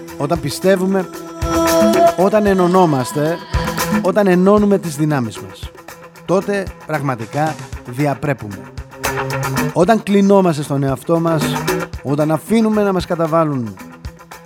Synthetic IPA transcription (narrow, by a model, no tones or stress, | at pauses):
o̞t̪ɐmpist̪e̞vume̞ | o̞t̪ɐne̞no̞no̞mɐst̪e̞ | o̞t̪ɐne̞no̞nume̞t̪izðinɐmizmɐ̰s | t̪o̞t̪e̞pɾɐɣmɐt̪ikɐðiɐpɾe̞pume̞̰ | o̞t̪ɐŋklino̞mɐst̪e̞st̪o̞ne̞ɐft̪o̞mɐso̞t̪ɐnɐfinume̞nɐmɐskɐt̪ɐvɐlun